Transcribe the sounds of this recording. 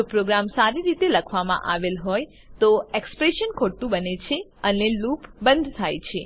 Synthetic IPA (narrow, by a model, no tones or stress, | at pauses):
opɾoɡɾamsaɾiɾit̪eləkʰʋamã̰ʔa̰ʋelɦoj | t̪oekspɾeʃənkʰoɽt̪ũbənet͡ʃʰeənelupbə̃nd̪ʱt̪ʰajt͡ʃʰe